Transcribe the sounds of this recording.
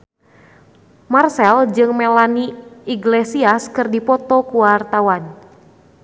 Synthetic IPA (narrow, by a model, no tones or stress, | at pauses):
marsɛld͡ʒɨŋmɛlaniiɡlesiaskɨrdipɔt̪ɔkuwart̪awan